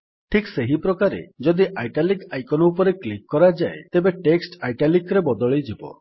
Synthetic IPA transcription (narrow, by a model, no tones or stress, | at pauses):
ʈʰikseɦipɾɔkaɾḛd͡ʒɔd̪iʔajʈalikajkɔnɔupɔɾeklikːɔɾad͡ʒaet̪ebeʈeksʈajʈalikɾebɔd̪ɔɭid͡ʒibɔ̰